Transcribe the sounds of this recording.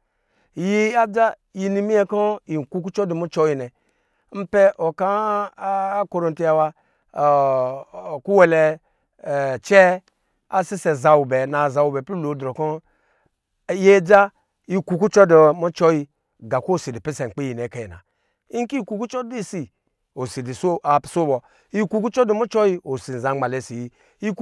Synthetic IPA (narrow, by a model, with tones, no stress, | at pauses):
ji˦a˦d͡ʒa˦ | ji˨ni˨mi˦e˦ko˦i˨ku˦k̬u˦t͡ʃɔ˦do˨mu˦t͡ʃo˦ji˨nɛ˨ | m̩˦pe˦ʔo˨ka˦ | ko˦ɾo˨n˨ti˦a˨wa˧˨ | ku˦wɛ˨lɛ˨˧˨ | t͡ʃɛ˦ | a˦si˦se˨za˨wu˨bɛ˨na˨za˨wu˨bɛ˨pi˦lo˨˦dɾo˨ko˦ | je˦d͡ʒa˦ | i˦ku˨ku˦t͡ʃɔ˦dɔ˨mɔ˦t͡ʃɔ˦ji˧ | ɡa˨ko˦˨si˨di˨pe˦se˨ŋ͡m̩˨k͡pi˦i˨n˨e˨˦ka˨ji˨na̰˨ | i˦ŋ˦ki˦˨ku˨ku˦t͡ʃɔ˦di˦si˨ | o˨si˨di˨so˦a˨pso˦bɔ˨ | i˦ku˦ku˦t͡ʃɔ˦do˦mɔ˦t͡ʃɔ˦ji˦o˨si˨n˨zã˨˦ŋ͡ma˨le˨si˨ji˦ | i˦k